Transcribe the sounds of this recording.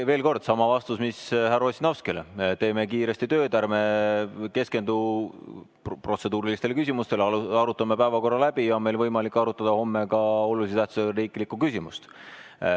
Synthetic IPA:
ve̞ːlko̞rd̪̥sɑmɑvɑst̪usmishærosʲinɑwskelet̪e̞ːme̞kiːɾe̞sʲt̪it̪ø̞ːd̪ærme̞ke̞ske̞nd̪u | pro̞t̪se̞d̪uːɾilist̪elekysʲimust̪e̞lɑɾut̪ːˑɑmːepæevɑko̞rːɑlæb̥ijɑonme̞jlvɤjmɑlikːˑɑɾut̪ːˑɑd̪̥ɑho̞mːe̞kɑolulis̬eæht̪su̥seriːkˑlikːˑukysʲimṵst̪

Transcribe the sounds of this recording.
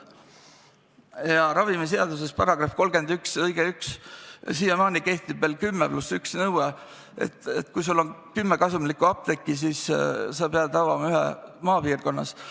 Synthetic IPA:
jɑɾɑvimis̬eɑd̪us̬e̞spɑɾɑɡ̥rɑfko̞lɡ̥e̞nd̪yksɤjɡ̥eykssiːjɑmɑːnike̞ht̪ib̥veːlkymːeplusyksnɤwe | ḛt̪ːˑet̪ːˑkujs̬ulːo̞nkymːekɑsumlikuɑp̚d̪e̞kːis̬iːssepeɑbt̪ɑvɑmɑyɦɛ̰mɑːpiːrko̞nːɑ̰s

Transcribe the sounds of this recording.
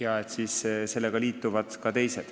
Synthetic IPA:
jɑet̪siːsse̞lːeɡ̥ɑliːt̪ːˑuvɑd̪̥kɑt̪e̞jsed̪̥

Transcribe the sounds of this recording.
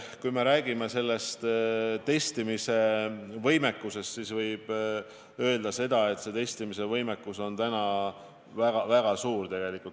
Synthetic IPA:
kujme̞ɾæːɡ̥imese̞lːe̞st̪t̪e̞st̪imise̞vɤjme̞kːˑuse̞st̪sisvɤjb̥ | ø̞ːld̪ɑse̞d̪̥ɑe̞t̪se̞t̪e̞st̪imise̞vɤjme̞kːuso̞nt̪ænɑ | væɡ̥ɑvæɡ̥ɑsuːrt̪e̞ɡ̥e̞likːˑult̪

